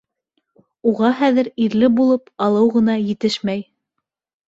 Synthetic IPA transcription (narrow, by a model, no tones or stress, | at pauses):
uʁɑχæðɘ̆ɾiɾlɘbulˠɤpɑlˠɤwʁɤ̆nɑjɘ̆t̪ɘʃmæj